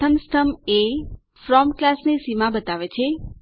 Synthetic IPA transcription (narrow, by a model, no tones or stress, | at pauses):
əmst̪ʰəme | fɾɔmklasnesimãbət̪aʋet͡ʃʰe